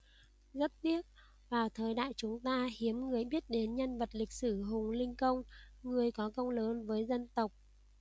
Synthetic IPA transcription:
zə˦˥t̚t̪i˦˥ət̚ | vaː˨˩wt̪ʰəː˨˩jɗa̰ː˧˨jt͡ɕʊ˨˦ŋ͡mt̪aː˧hi˨˦əmŋɨ˨˩əjɓi˦˥ət̚ɗe˨˦nɲə˧nvə˨˩t̚lï˨˩k̟̚sɨ˧˩ɦʊ˨˩ŋŋ͡mlï˧ŋ̟kə˧wŋ͡mŋɨ˨˩əjkɔ˨˦kə˧wŋ͡mləː˨˦nvəː˨˦jzə˧nt̪ə˨˩wk͡p̚

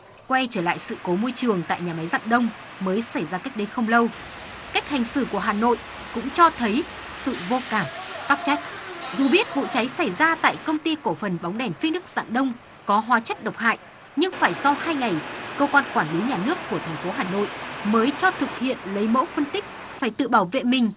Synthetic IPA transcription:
kwɛ˧t͡ɕəː˧˩la̰ː˧˨jsɨ̰˧˨ko˨˦mo˧jt͡ɕɨ˨˩əŋt̪a̰ː˧˨jɲaː˨˩ma˨˦jza̰ː˧˨ŋɗə˧wŋ͡m | məː˨˦jsa˧˩jzaː˧ka˦˥k̚ɗe˨˦nxə˧wŋ͡mlə˧w | ka˦˥jk̟̚ha˨˩jŋ̟sɨ̰˧˩ku˧˩əɦaː˨˩no̰˧˨j | kʊ̰˧˥ŋ͡mt͡ɕɔ˧t̪ʰə˨˦j | sɨ̰˧˨vo˧kaː˧˩mɓaː˦˥p̚t͡ɕa˦˥jk̟̚zu˨˩ɓi˦˥ət̚vṵ˧˨t͡ɕa˨˦jsa˧˩jzaː˧t̪a̰ː˧˨jkə˧wŋ͡mt̪i˧ko˧˩fə˨˩nɓa˨˦wŋ͡mɗɛ˨˩nfi˧˦nɗɨ˦˥k̚z̥a̰ː˧˨nɗə˧wŋ͡m | kɔ˨˦ɦwaː˨˦t͡ɕə˦˥t̚ɗə˨˩k͡p̚ha̰ː˧˨j | ɲɨ˧ŋfaː˧˩jsɔ˧whaː˧jŋa˨˩jkəː˧kwaː˧nkwaː˧˩nli˨˦ɲaː˨˩nɨ˦˥əkːu˧˩ət̪ʰɛ˨˩ŋ̟fo˨˦ɦaː˨˩no̰˧˨jməː˨˦jt͡ɕɔ˧t̪ʰɨ˨˩k̚hḭ˧˨ənlə˨˦jmo̰˧˥wfə˧nt̪ï˦˥k̟̚ | faː˧˩jt̪ɨ̰˧˨ɓaː˧˩wvḛ˧˨mï˨˩ŋ̟

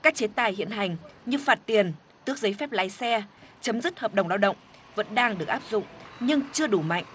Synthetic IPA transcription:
kaː˦˥k̚t͡ɕe˨˦t̪aː˨˩jhḭ˧˨ənɦa˨˩jŋ̟ɲɨ˧faː˨˩t̚t̪i˨˩ən | t̪ɨ˦˥ək̚zə˨˦jfɛ˦˥p̚la̰ː˧˦jsɛ˧t͡ɕə˨˦mzɨ˦˥t̚həː˨˩p̚ɗə˨˩wŋ͡mlaː˧wɗə̰˧˨wŋ͡m | və̰˧˥nɗaː˧ŋɗɨ˨˩ək̚ʔaː˦˥p̚zʊ̰˧˨ŋ͡mɲɨ˧ŋt͡ɕɨ˧əɗu˧˩ma̰˧˨jŋ̟ʔ

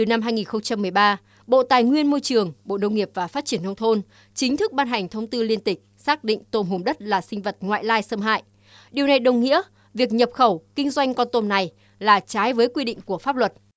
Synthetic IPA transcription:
t̪ɨ˨˩na˧mɦaː˧jŋi˨˩nxə˧wŋ͡mt͡ɕa˧mːɨ˨˩əjɓaː˧ | ɓo̰˧˨t̪aː˨˩jŋwi˧ənmo˧jt͡ɕɨ˨˩əŋɓo̰˧˨nə˧wŋ͡mŋi˨˩əp̚vaː˨˩faː˦˥t̚t͡ɕi˧˩ənə˧wŋ͡mt̪ʰo˧n | t͡ɕï˨˦ŋ̟t̪ʰɨ˦˥k̚ɓaː˧nɦa˨˩jŋ̟t̪ʰə˧wŋ͡mt̪ɨ˧li˧ənt̪ï˨˩k̟̚saː˦˥k̚ɗḭ˧˨ŋ̟t̪o˧mɦu˨˩mɗə˦˥t̚laː˨˩sï˧ŋ̟və˨˩t̚ŋwa̰ː˧˨jlaː˧jsə˧mɦa̰ː˧˨jʔ | ɗi˨˩əwna˨˩jɗə˨˩wŋḭ˧˥ə | vi˨˩ək̚ɲə˨˩p̚xə˧˩wkï˧ŋ̟zwa˧jŋ̟kɔ˧nt̪o˧nna˨˩j | laː˨˩t͡ɕaː˨˦jvəː˨˦jkwi˧ɗḭ̈˧˨ŋ̟ku˧˩əfaː˦˥p̚lwə˨˩t̚

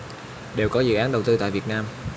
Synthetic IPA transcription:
ɗe˨˩wkɔ˨˦zɨ̰˧˨ʔaː˨˦nɗə˨˩wt̪ɨ˧t̪a̰ː˧˨jvi˨˩ət̚naː˧m

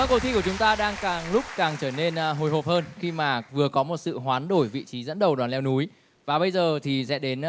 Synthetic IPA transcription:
və˧nkə˧˩wt̪ʰi˧ku˧˩ət͡ɕʊ˨˦ŋ͡mt̪aː˧ɗaː˧ŋkaː˨˩ŋlʊ˦˥k͡p̚kaː˨˩ŋt͡ɕəː˧˩ne˧nɦo˨˩jɦo˨˩p̚həː˧nxi˧maː˨˩vɨ˨˩əkɔ˨˦mo˨˩t̚sɨ̰˧˨ɦwaː˨˦nɗo˧˩jvḭ˧˨t͡ɕi˨˦zə̰˧˥nɗə˨˩wɗwaː˨˩nlɛ˧wnu˨˦j | vaː˨˩ɓə˧jzəː˨˩t̪ʰi˨˩sɛ̰˧˥ɗe˨˦n

